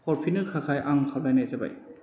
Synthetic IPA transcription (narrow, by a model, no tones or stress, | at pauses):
pʰɔɾpʰinɯkʰakʰajʔaŋkʰabajnajtaba̰j